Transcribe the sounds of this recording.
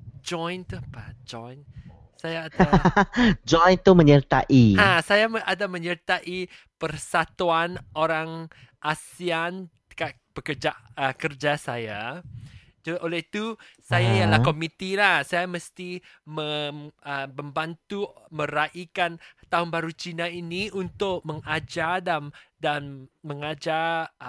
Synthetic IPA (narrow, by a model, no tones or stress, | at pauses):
d͡ʒɔjnt̪upad͡ʒɔjn | sajaːd | d͡ʒɔjnt̪uməɲərt̪aʔiãsajaʔadamə̃ɲərt̪aʔi | pərsat̪uanʔoɾaŋ | ʔasian | ə̥ka | b̥əkərd͡ʒaəkərd͡ʒasaja | d͡ʒʔolɛit̪usajaijalahkomit̪ilahsajaməst̪i | məəbəmbant̪umə̃ɾaʔikant̪aɦʊnbaɾut͡ʃinainiunt̪ʊk̚məŋad͡ʒadandanməŋad͡ʒa